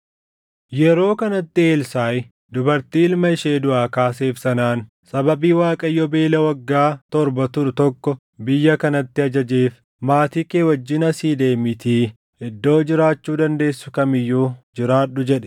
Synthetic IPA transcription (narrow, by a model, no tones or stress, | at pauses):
jɛɾo̞ːkɐnɐt̪ːɪeːlsaːj | d̪ʊbɐɾt̪iːɪlmɐɪʃe̞ːd̪ʊʔaːkaːs̬e̞ːfsɐnaːn | sɐbɐbiːwaːkʼɐjːɔbe̞ːlɐwɐɡːaːt̪ɔɾbɐt̪ʊɾʊt̪ɔkːɔ | bɪjːɐkɐnɐt̪ːɪɐd͡ʒɐd͡ʒeːf | maːt̪iːkeːwɐd͡ʒːɪnɐsiːd̪e̞ːmɪt̪iː | ɪd̪ːo̞ːd͡ʒɪɾaːt͡ʃːuːd̪ɐnd̪e̞ːsːʊkɐmɪjːuːd͡ʒɪɾaːᶑːʊd͡ʒɛᶑɛ̥